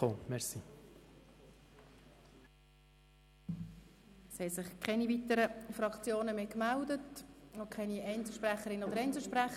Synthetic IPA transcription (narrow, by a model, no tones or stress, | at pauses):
oːmɛɾsi | shɛsɪχkʰɛnivit̪əɾəfɾɑkt͡sjoːnəmeːkmældətnokʰχɛniɛɪnsl̩ʃpræχəɾɪnəɔd̪əɾɛɪnt͡sl̩ʃpɾæχ